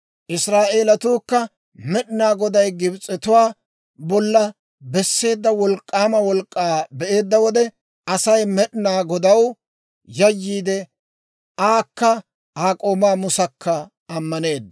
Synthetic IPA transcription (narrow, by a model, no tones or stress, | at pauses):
ʔɪsɾaːʔe̞ːlɐt̪uːkːɐ | mɛɗnaːɡɔd̪ɐjɡɪbt͡sʼːɛt̪ʊwaː | bɔlːɐ | bɛsːe̞ːd̪ːɐwɔlkʼːaːmɐwɔlkʼːaːbɛʔe̞ːd̪ːɐwɔd̪ɛ | ɐsɐjmɛɗɪnaːɡɔd̪ɐw | jɐjːiːd̪ɛ | aːkːɐ | aːkʼo̞ːmaːmʊsɐkʰːɐ | ɐmːɐne̞ːd̪ːɐ